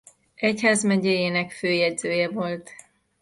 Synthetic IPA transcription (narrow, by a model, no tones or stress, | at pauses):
ɛchaːzmɛɟɛjeːnɛkføːjɛdzøːjɛvo̞lt̪